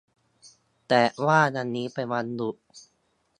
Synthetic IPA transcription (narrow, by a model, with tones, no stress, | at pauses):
t̪ɛː˨˩waː˥˩na˧nːiː˦˥pa˧jwa˧ndu˨˩t̚